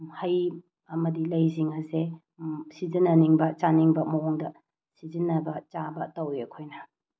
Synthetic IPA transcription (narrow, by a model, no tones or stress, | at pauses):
hɐj | ɐmɐdilɐjziŋɐse | sizinːɐniŋbɐt͡ʃaniŋbɐmɐwoŋdɐ | sizinːɐbɐt͡ʃabɐtɐwiɐkʰojnɐ